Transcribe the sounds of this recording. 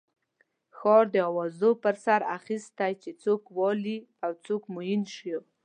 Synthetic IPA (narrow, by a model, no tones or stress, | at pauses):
xɑɾd̪əawɑzopəɾsaɾa̰xist̪ajt͡ʃet͡sokwɑli | awt͡sokmujinʃo